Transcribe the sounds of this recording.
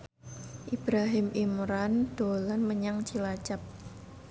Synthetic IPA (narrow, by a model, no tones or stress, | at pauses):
ʔib̥ɾaɦɪmʔimɾand̪̥olanməɲaŋt͡ʃilat͡ʃap̚